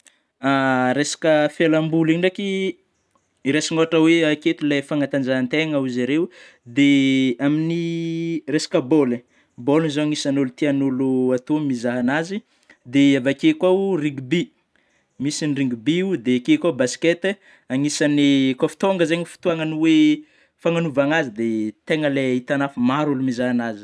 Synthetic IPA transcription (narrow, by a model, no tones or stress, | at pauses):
aɾesḁkəfjelambuliɳɖ͡ʐaki | ɾesiŋoaʈ͡ʂəweaket̪ilafaŋat̪and͡ʒaɦant̪eŋauzaɾew | d̪eaminiresḁkəbolə | bolzoaŋisanulut̪ianuluat̪omizaɦanazi | d̪eavakekwauriŋɡubi | misinriŋɡubiud̪eakekʷabasket̪ | aŋisanikofu̥t̪oŋɡəzeɲifi̥t̪uaŋanuwe | faŋanuvaŋazid̪et̪eŋəleit̪anafumaɾulumizaɦanazi̥